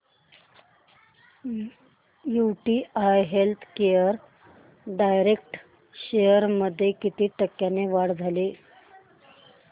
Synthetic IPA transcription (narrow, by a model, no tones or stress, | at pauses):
juʈiːajɦelt̪ʰkejəɾ | ɖajɾek̚ʈ | ɕejəɾməd̪ʱːjekit̪iːʈəkːjaneʋaɽd͡zʱali